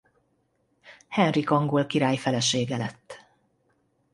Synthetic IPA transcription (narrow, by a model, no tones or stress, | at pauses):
hɛnrikɒŋɡolkiɾaːjfɛlɛʃeːɡɛlɛt̪ː